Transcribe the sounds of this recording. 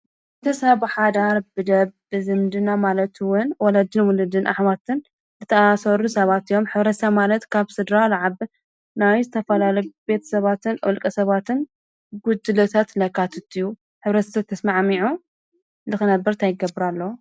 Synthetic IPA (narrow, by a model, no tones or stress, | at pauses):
t̪ʰɐsɐβħad̪aɾbɨd̪ɐβbɨzɨnd̪ɨnamalɐt̪wʊnwɔlad͡ʒ̪ɨnwʊlɨd̪ɨnʔa̰ħmat̪ʰɨn | zɨt̪ʰɐasɐɾusɐβat̪ijo̞mħɨβɾɐsʰamalɐt̪kʰaβsɨd̪ɾalaʕaβ | najzɨt̪ʰɐfɐlalɐjbe̞t̪ʰɐ̥sɐβat̪ʰɨnʔɨlkʼɐsɐβat̪ʰɨn | ɡud̪ɨlɐt̪ʰat̪lɐkat̪ʰɨt̪ʰːiju | ħɨβɾɐt̪ɐ̥sat̪ʰːɐsmaʕmiʕu | lɨxɨnɐbːɨɾt̪ʰajɪɡɐbɾalːɐ